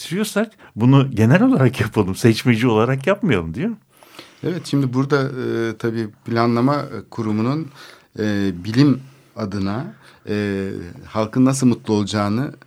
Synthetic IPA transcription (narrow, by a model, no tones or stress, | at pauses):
sʰyɾijoɾsak | bunuɟe̞nælʲo̞lˠaɾakjapʰalˠɯmsɛt͡ʃme̞d͡ʒio̞lˠaɾakjapmɯjalˠɯmd̪ijo | evɛt̪ʃimd̪ibuɾd̪at̪ʰabiːpʰilʲanlˠamakʰuɾumununː | bilʲim | ad̪ɯnaː | halˠkʰɯnnːas̬ɯlˠmut̪lˠuo̞lˠd͡ʒaːnɯ